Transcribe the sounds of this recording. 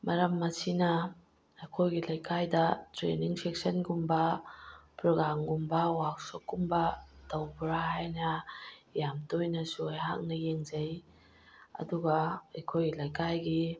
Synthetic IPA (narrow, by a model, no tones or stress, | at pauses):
mɐɾɐmːɐsinɐ | ɐjkʰojɡilɐjkʰajdɐtɾḛniŋsek̚sɐnkumbɐ | pɾɔɡamɡumbɐwak̚sokːumbɐd̪ɐwbɾaɦajnɐjamtojnɐsuajɦa̰k̚nɐjeŋzɐj | ɐ̰duɡɐɐjkʰojɡilɐjkajɡi